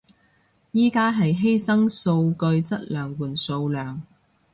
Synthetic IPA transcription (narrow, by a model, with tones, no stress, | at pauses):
jiː˥kaː˥ɦɐ˨jɦe˥jsɐ˥ŋso˧wkɵ˧ɥt͡sɐ˥t̚lœː˨ŋwuː˨˩nso˧wlœː˨˩ŋ